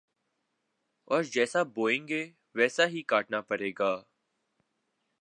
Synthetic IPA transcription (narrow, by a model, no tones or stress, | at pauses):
ɔːɾd͡ʒɛːsaboːẽːŋɡeː | ʋɛːsaɦikaːʈnapəɾeːɡaː